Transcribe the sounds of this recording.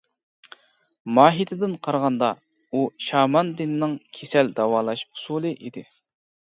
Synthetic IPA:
mɑːɦit̪ʰɪd̪ɪnqʰɑɾʁɑnd̪ɑ | uʃɑːmɑnd̪ɪnnɪŋkʲʰesɛld̪ɑwɑːlˠɑʃu̥sulˠɨʔid̪ɪ

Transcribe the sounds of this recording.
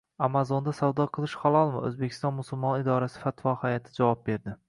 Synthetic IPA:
amazond̪asawd̪ɒqʰɨlˠɪʃχalˠɒlˠmaɵ̰zbekʲʰɪ̥st̪ɒnmʊsʊlˠmɒnɪd̪ɒɾasɪ̥fat̪vɒhajɒt̪ʰɪd͡ʒavɒp̚be̞ɾd̪ɪ

